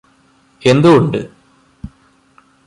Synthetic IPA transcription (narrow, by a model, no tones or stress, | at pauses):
e̞nd̪uoɳɖɨ